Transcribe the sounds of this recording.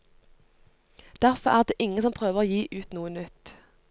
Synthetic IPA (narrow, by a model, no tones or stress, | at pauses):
d̪̥æʁfɔʁæːʁd̪eːʔɪŋəsɔmpʰʁøːʋəʁoːjiːʔʉːt̪nuːənʏt̪